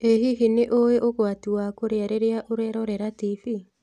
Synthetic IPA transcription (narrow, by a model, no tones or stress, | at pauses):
eɦiɦineʔoweʔoɣwatiwakoɾeaɾeɾeaʔoɾɛɾɔɾɛɾatifi